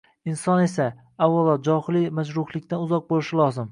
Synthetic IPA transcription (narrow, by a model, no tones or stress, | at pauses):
ɪnsɒne̞sa | awavad͡ʒɒhlɪmad͡ʒɾʊhlˠɪkʲt̪anʊzɒq̚bolɪʃɪlˠɒzɪm